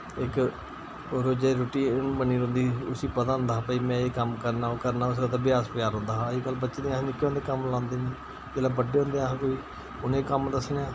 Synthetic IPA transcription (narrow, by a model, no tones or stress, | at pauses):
ɪk | ɾoːd͡ʒeɾʊʈiːnbəniːɾõːnd̪iːʊsiːpət̪aːʊ̃nd̪aːɦaːpəiːmɛ̃ːeːkəmkəɾnaːoːkəɾnaːʊs̬kət̪aːbɪjaːspɪjaːɾɦõːnd̪aːɦaːiːkəlbətːʃeːd̪iːãsnɪkːõnd̪eːkəmlãːnd̪eːnẽː | keːlãːbəɖeːɦõːnd̪eãːkoiː | ʊnẽːkəmd̪əsneãː